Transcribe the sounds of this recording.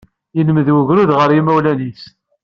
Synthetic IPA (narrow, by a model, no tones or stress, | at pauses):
jənəməðwəʝɾuðʁəɾimæwlænis